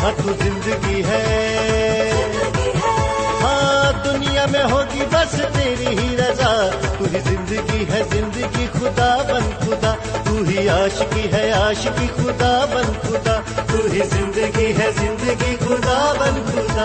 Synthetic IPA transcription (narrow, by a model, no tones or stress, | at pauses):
ɦãːt̪uzɪ̃nd̪əɡiɦɛ | ɦãːd̪ʊnijamẽɦoːɡibɐst̪eːɾiɦiɾɐzaːt̪uɦizɪ̃nd̪əɡiɦɛzɪ̃nd̪əɡixʊd̪aːbɐnxʊd̪aː | t̪uɦiaːʃkiɦɛaːʃkixʊd̪abɐnxʊd̪aːt̪uɦizɪ̃nd̪əɡiɦɛzɪ̃nd̪əɡixʊd̪aːbɐnxʊd̪aː